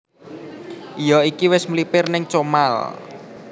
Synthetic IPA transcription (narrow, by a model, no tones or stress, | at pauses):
ʔijɔikiwɪsmlipɪrnɪŋt͡ʃomal